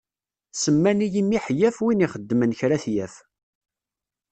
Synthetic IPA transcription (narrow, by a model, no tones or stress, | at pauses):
səmːænijimːiħjæfwiniχəd̪ːmənçɾæθjæf